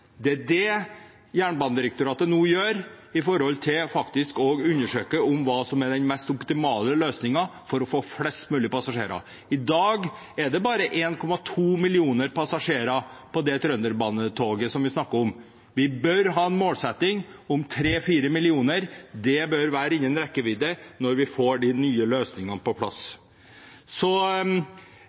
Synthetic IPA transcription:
d̪ɛdɛ | jæːɳbɑnəd̪ɪɾək̚t̪ʊɾɑːt̪ənuːjøːɾ | ɪfɔɾhɔlt̪ʰɪlfɑkt̪ɪskɔɡʉnːəʂøːkəʊmʋɑːsɔmɛɖ̪ɛnmɛst̪ʊpt̪ɪmɑːləløːsnɪŋɑfɔɾɔfoːflɛst̪mʉːlɪəpʰɑsɑʂḛːɾɑ̰ | ɪd̪ɑːɡ | ɛɖɛbɑːɾəʔeːnkʰɔmɑt̪ʰuːmɪlɪuːnəɾpɑsɑʂeːɾɑpʰɔd̪ɛt̪ʰɾœnd̪əɾbɑːnːət̪ʰoːɡəsɔmʋɪsnɑkːəɾɔm | ʋɪbœɾɦɑːɛnmoːlsɛt̪ːɪŋʊmt̪ʰɾeːfiːɾəmɪlɪuːnəɾd̪ɛbœɾʋæːɾəɪɲːənɾɛkːəʋɪd̪ənɔɾʋɪfoːɖɪnyːəløːsnɪŋɑnpɔpʰlɑ̰s | sɔ

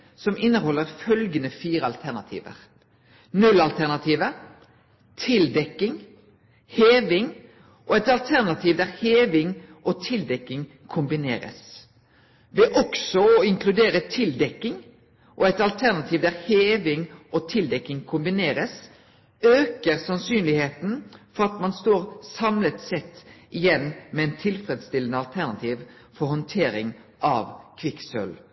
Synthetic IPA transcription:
sɔmɪnːəɦɔlːəɾfœlɡənəfiːɾəɑlt̪ʰæʁnɑ̰t̪ʰḭːʋə̰ɾ | nʉlɑlt̪ʰæʁnɑt̪ʰiːʋə | t̪ʰɪld̪ɛkːɪŋ | heːʋɪŋ | ʔɔɛt̪ɑlt̪ʰæʁnɑt̪ʰiːʋd̪æʁheːʋɪŋʔɔt̪ʰɪld̪ɛkːɪŋ | kʰʊmbɪnḛːɾə̰s | ʋɛʔɔksɔɪŋkʰlʉd̪eːɾət̪ʰɪld̪ɛkːɪŋ | ʔɔɛt̪ɑlt̪ʰæʁnɑt̪ʰiːʋd̪æʁheːʋɪŋʔɔt̪ʰɪld̪ɛkːɪŋkʰʊmbɪneːɾəs | øːkəɾsɑnsyːnlɪheːt̪n̩fɔʁɑt̪mɑnst̪oːɾsɑmlət̪sɛt̪ːʔɪjɛnːmɛɛnt̪ʰɪlfɾɛd̪st̪ɪlənəɑlt̪ʰæʁnɑt̪ʰiːʋ | fɔɾhɔnt̪ʰeːɾɪŋʔɑ̰ʋkʰʋɪksœ̰l

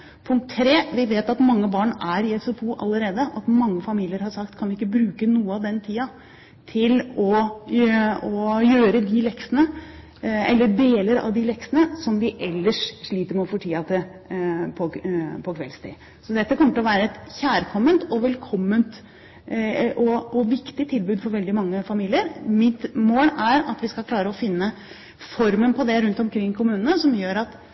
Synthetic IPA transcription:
pʰʊŋk̚t̪ʰːɾeːʋɪʋeːt̪ɑt̪mɑŋːəbɑːɳæɾɪɛsʊfʰuːʔɑ̰lːəɾeːd̪əɑt̪mɑŋːəfɑmiːlɪəɾhɑɾʂɑk̚t̪kʰɑnʋɪɪkːəbɾʉːkənuːəɑʋd̪ɛnt̪ʰiːɑ | t̪ʰɪlɔ | ɔjøːɾəd̪ɪlɛksənə | ɛlːəɖeːləɾɑ̰ʋd̪ɪlɛksənəsɔmd̪ɪʔɛlːəʂʂɭiːt̪əɾmɛɔfoːʈʰiːɑt̪ʰɪ | pʰɔpʰɔkʰʋɛ̰lst̪ḭ | sɔd̪ɛt̪ːəkɔməʈ̪lɔʋæːɾəɛt̪çæːɾkʰɔmːənt̪ɔʋɛlkʰɔmːənt̪ | ʔɔɔʋɪkt̪ɪt̪ʰɪlbʉːd̪fɔɾʋɛld̪ɪmɑŋːəfɑmiːlɪəɾmɪt̪moːlæɾɑt̪ʋɪskɑlkʰlɑːɾəɔfɪnːə | fɔɾmənpʰɔd̪ɛɾʉnt̪ɔmkʰɾɪŋːkʰʊmʉːnənəsɔmjøːɾɑt̪

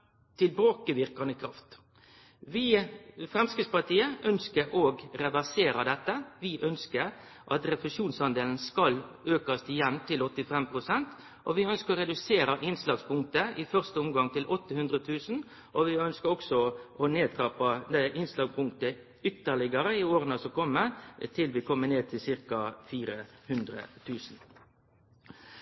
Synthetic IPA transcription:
t̪ʰɪlbɑːkəʋɪʁkɑnəkʰɾɑft̪ | ʋɪfʁɛmskəspɑʁt̪iːəʔœnskəɾʔoːɡɾɛʋæʁseːɾəd̪ɛt̪ːəʋɪʔœnskəɾ | ʔɑt̪ɾɛpɾɛʃuːnsɑnd̪eːln̩skɑløːkɑst̪ɪjɛnːt̪ʰɪlɔt̪ːɪfɛmpɾʊsɛnt̪ | ʔɔʋɪœnskəɾɔɾɛd̪ʉseːɾəʔɪnslɑːɡspʊŋk̚t̪əɪfœʁst̪əʊmɡɑŋt̪ʰɪlʔɔt̪ːəhʉnd̪ɾət̪ʰʉːsn̩ | ʔɔʋɪœnskəɔksɔʔɔneːt̪ʰɾɑːpɑd̪ɛʔɪnslɑːɡpʰʊŋk̚t̪ə | ʏt̪ːəʁɭɪɡɑɾəɪoːɾənəsɔkʰɔmːət̪ʰɪlʋɪkʰɔmːəneːt̪ʰɪlsɪɾkɑfiːɾəhʉnd̪ɾə̰t̪ʰʉːsn̩

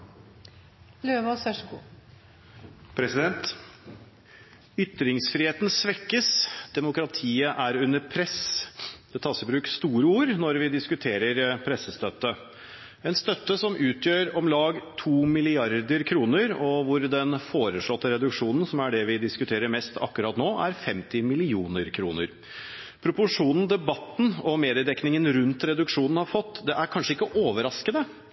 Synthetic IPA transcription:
løːʋɑsæʂkṵː | pʰɾɛsɪd̪ɛnt̪ | ʏt̪ːɾɪŋsfɾiːheːt̪nsʋɛkːəsd̪̥ɛmʊkɾɑt̪ʰiːəʔæɾʉnːəɾpʰɾɛsd̪̥ɛt̪ʰɑːsɪbɾʉːkst̪uːɾəuːɾnɔɾʋɪd̪ɪskʉt̪ʰeːɾəɾpʰɾɛsːəst̪œt̪ːə | ɛnst̪œt̪ːəsɔmʔʉːt̪ʰjøːɾɔmlɑːɡt̪ʰuːmɪlɪɑɾd̪əɾkʰɾuːnəɾɔʋʊɾd̪ɛnfoːɾəʂɭɔt̪ːəɾɛd̪ʉkʂuːnn̩sɔmæɖɛʋɪd̪ɪskʉt̪ʰeːɾəɾmɛst̪ʰɑ̰kːʉɾɑːt̪noːʔæɾfɛmt̪ɪmɪlɪuːnəɾkʰɾuːnə̰ɾ | pʰɾʊpʊʂuːnn̩d̪ɛbɑt̪ːn̩ɔmeːd̪ɪəd̪ɛknɪŋənɾʉnt̪ɾɛd̪ʉkʂuːnn̩hɑɾfɔt̪ːd̪ɛʔæɾkʰɑnʂəɪkːəʔoːʋəɾɑskənə

